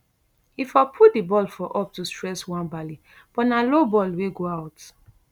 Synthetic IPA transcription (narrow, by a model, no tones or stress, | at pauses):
ifapʰutdibɔlfɔʔɔp̚tustɹɛswãnbali | b̥ɔtnalobɔlweɡoaʊt